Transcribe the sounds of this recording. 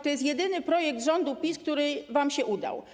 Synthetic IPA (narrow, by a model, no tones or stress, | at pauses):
t̪ɔjɛst̪jɛd̪ɘnɘpɾɔjɛk̚d̪ʐɔnd̪upʲisk̚t̪uɾɘvamɕɛʔud̪a̰w